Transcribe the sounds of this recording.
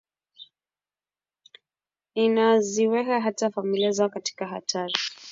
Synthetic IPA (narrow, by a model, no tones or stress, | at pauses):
inaziwɛkaɦatafamiliazakati̥kaɦa̰tʰaɾi